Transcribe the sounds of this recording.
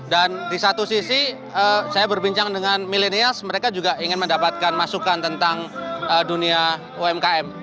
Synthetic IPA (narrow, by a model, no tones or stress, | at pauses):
dandisat̪usisi | əsajabərbiɲt͡ʃaŋdəŋanmileniasməɾekad͡ʒuɡaʔiŋɪnməndapat̪̚kanmasukant̪ənt̪aŋədunia | uɛmkaɛm